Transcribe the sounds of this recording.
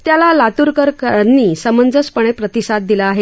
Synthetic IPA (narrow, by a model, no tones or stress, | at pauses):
t̪jalalat̪uɾkəɾkənːiːsəmənd͡zəspəɳ̃epɾət̪isad̪̚d̪ilaːɦe